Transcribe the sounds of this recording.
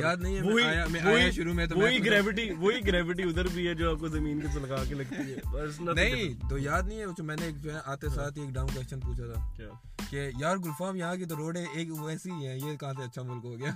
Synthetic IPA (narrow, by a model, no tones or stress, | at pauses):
jaːd̪nɐɦĩɦɛmoɦijamɛ̃õʃʊɾumẽt̪oʋːɦiɡɾɛːʋɪʈiʋoːɦiɡɾɛːʋɪʈ̬iʊd̪əɾbʱiɦɛd͡ʒoːaːp̚kozɐmiːnkesɐlɐɡaːkelɐɡt̪iɦɛːbɐsnɐnɐɦĩt̪oːjaːd̪nɐɦĩɦɛbɐt͡ʃʰomɛ̃ːneːk̚d͡ʒoːɦɛʔaːt̪esaːt̪ieːkɖãːʊnk̬wɛst͡ʃənpuːt͡ʃʰat̪ʰaːkʲjaː | kejaːɾɡʊlfaːmjɐɦãk̬et̪oɾoːɖẽeːkːɛːsiiɦɛ̃ːjekɐɦãs̬eɐtːʃʰamʊlkɦoːɡɪjaː